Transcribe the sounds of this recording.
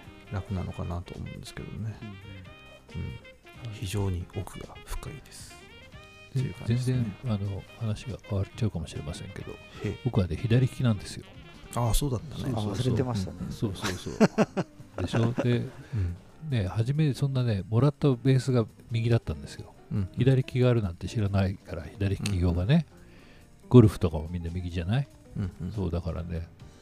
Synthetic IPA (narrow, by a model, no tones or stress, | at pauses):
ɾakɯ̟nano̞kanat̪o̰ːmo̰ɯ̃nd̪esɨ̥ke̞d̪omone | ɯ̃ɴ | çiʑo̞ːɲ̟iokɯ̟ɡaɸɯ̥kaid̪e̞sɨ̥ | ḛkã̰zẽ̞nzẽ̞ɰano̞hanaɕiɡa̰βaɾt͡ɕaɯ̟kamo̞ɕiɾe̞̰masẽ̞ŋke̞d̪o̞̰ebokɯ̟βad̪eçid̪aɾʲiçʲi̥kʲinãnd̪e̞sɨjo̞̰ | aso̞ːd̪at̪ːaneosɾet̪emaɕt̪anesoːsoːso̰ː | d̪e̞ɕo̞d̪e̞ | ne̞haʑime̞sõ̞nːane̞mo̞ɾat̪ːabe̞ːsɨɡa | mʲiɡʲid̪at̪ːãnd̪e̞sɨjo̞̰ | çid̪aɾʲikʲiɡaːɾɯ̟nãnt̪e̞ɕiɾanaikaɾaçid̪aɾʲi̥kʲiɡʲo̞ːɡane̞ | ɡ̥o̞ɾɯ̟ɸɯ̟̥t̪o̞kaβamʲĩnːamʲiɡʲiʑanai | so̞̰ːd̪akaɾa̰ne̞